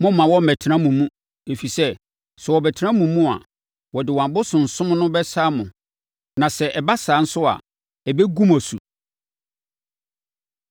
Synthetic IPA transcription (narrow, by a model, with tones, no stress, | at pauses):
mʊ̃˦mã˨wɔ˦m̩˨ɛ˨tʰɪ˨ɾã˦mũ˨mũ˦ | e˨fi˨sɛ˦ | sɛ˨wɔ˨bɛ˨tʰɾã˦mũ˨mːũ˦a̰˨ | wɔ˨dɪ˨wã˨bʊ˦sʊ̃˨n̩˨sʊ̃˦m˦nʊ̃˦bɛ˦saː˦mʊ̃˨ | nã˨sɛ˨ʔɛ˨ba˦saː˨˦n̩˦sʊ˦a̰˨ | ɛ˨bɛ˦ɡu˦mæ˨su˨